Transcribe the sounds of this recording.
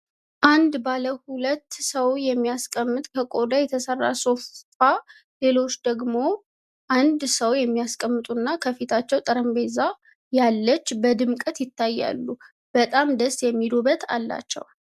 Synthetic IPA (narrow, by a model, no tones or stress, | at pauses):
ʔand̪baləhulət̪ːsəwjɛmːijaskʼəmːɨt̪ʼkʰəkʼod̪ajɛt̪ʰəsərːa̰so̞ffa | le̞lo̞t͡ʃːd̪əɡmo̞ | ʔand̪səwjɛmːijaskʼəmːɨt̪ʼunːakʰəfit̪ʰat͡ʃːɛwt̪ʼəɾəmbe̞za | jalːət͡ʃːbəd̪ɨmkʼət̪jɪt̪ːajːa̰lːu | b̥ət̪ʼamd̪əst̪jɛmːid̪obət̪ʰa̰lːa̰t͡ʃːɛ̰w